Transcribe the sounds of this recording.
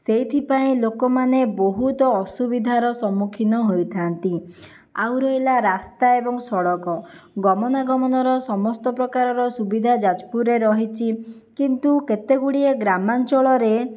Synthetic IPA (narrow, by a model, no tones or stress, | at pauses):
seit̪ʰipaĩlokɔmaneboɦut̪ɔːsubid̪ʱaɾɔsɔmːukʰinɔɦojt̪ʰant̪i | awɾɔɦilaɾast̪aebɔŋsɔɽɔkɔɡɔmɔnaɡɔmɔnɔɾɔsɔmɔst̪ɔpɾɔkaɾɔɾɔsubid̪ʱad͡ʒad͡ʒpuɾeɾɔɦit͡ʃʰi | kint̪uket̪eɡuɽieɡɾamant͡ʃɔɭɔɾe